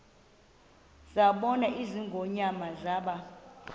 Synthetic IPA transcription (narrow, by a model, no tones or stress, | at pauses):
zaɓɔnaʔiziŋɡʱoɲamazaːɓa